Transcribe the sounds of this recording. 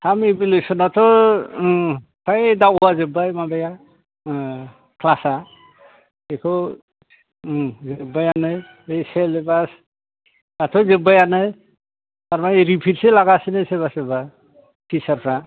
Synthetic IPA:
tʰamebilesɔnat̪ʰɔ | pʰajdawbazebajmabaja | kʰlasa | ekʰɔ | zebajanɯj | ejselebas | atʰɔzebajanɯj | taɾmaɾipʰitselaɡasinɯsebaseba | tʰisaɾpʰɾa

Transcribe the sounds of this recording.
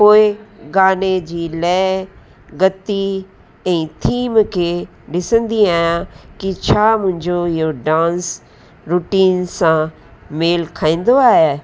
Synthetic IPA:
poːɪɡaːned͡ʑiːlɛː | ɡɐt̪i | ɛ̃ːt̪ʰiːmkʰe | ɗɪsə̃nd̪iaːjãkit͡ɕʰaːmʊ̃ɦɪ̃ɲd͡ʑoɪɦoɖãːns | ɾuːʈiːnsã | meːlkʰaːĩːn̆d̪oaːɦe

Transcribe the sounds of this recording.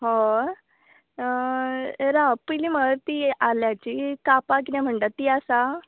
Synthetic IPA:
ɦɔ | ɾapilim̤ət̪ialjat͡ɕikapak̬iãm̤əɳʈ̪at̪iasa

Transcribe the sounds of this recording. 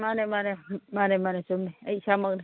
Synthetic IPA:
manemanemaːnemanesumeɐisaməɡn

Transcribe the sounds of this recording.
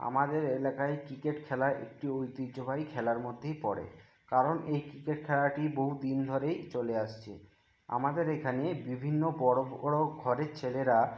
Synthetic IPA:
a̰mad̪eɾelakaekɾikeʈkʰɛlaʔḛk̚ʈiojt̪id͡ʑobʱajkʰɛlaɾmod̪ʱːejpɔɽḛ | kaɾonejkɾikeʈkʰɛlaʈiboɦud̪ind̪ʱoɾejt͡ɕoleaʃt͡ɕʰḛ | a̰mad̪eɾekʰanebibʱinːobɔɽobɽoɡʱɔɾet͡ɕʰeleɾa

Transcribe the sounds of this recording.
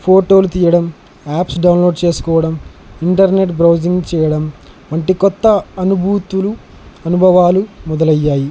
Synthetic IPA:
pʰoːʈo̞ːlut̪iːjɐɽɐm | aːpsɖɐwnloːɖt͡ʃe̞ːsu̥kɔːʋɐɽɐm | iɳʈɐɾne̞ʈbɾɐwd͡ʒiŋɡt͡ʃɛːjɐɽɐmʋɐɳʈikɔt̪ːɐɐnubʱuːt̪ulu | ɐnubʱɐʋaːlumɔd̪ɐlɐjːaːji

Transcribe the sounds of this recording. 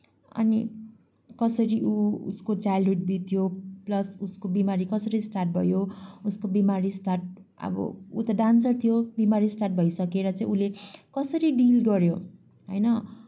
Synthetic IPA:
ʌ̰ni | kʌsʌɾiʔuṵskot͡sajlɦuɖ̚bit̪ʰjoplʌsuskobimaɾikʌsʌɾisʈarʈ̚bʱʌjouskobimaɾisʈarʈ̚ | ʌ̰bʌ̰ṵt̪ʌɖansʌrt̪ʰijobimaɾisʈarʈ̚bʱʌisʌkeɾʌt͡saĩulekʌsʌɾiɖilɡʌɾjo | ɦʌ̰jnʌ

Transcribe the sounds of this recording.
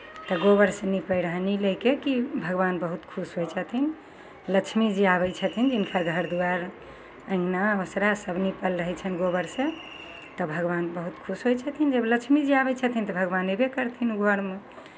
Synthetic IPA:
t̪ɔɡobəɾsẽnipəjɾəɦnilekekibʱəɡʋanbəɦut̪kʰusɦojt͡ʃʰət̪ʰin | lət͡ʃʰmid͡ʒiaβɛjt͡ʃʰət̪ʰind͡ʒinkʰaɡʱəɾd̪uaɾ | ə̃naosɾasəbnipəlɾəɦɛt͡ʃʰənɡoβəɾsẽ | t̪ɔbʱəɡʋanbəɦut̪kʰusɦojt͡ʃʰət̪ʰind͡ʒəblət͡ʃʰmid͡ʒiabɛt͡ʃʰət̪ʰint̪ɔbʱəɡʋanebekəɾt̪ʰinuɡʱəɾme

